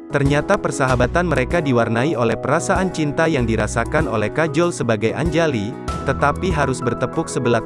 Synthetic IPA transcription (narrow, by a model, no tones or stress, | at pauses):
t̪ərɲat̪apərsaɦabat̪anməɾekadiwarnaiolɛhpəɾasaʔant͡ʃint̪ajaŋdiɾasakano̰lɛhkad͡ʒɔlsəbaɡajʔa̰ɲd͡ʒali | t̪ət̪apiɦaɾʊsbərt̪əpʊksəbəla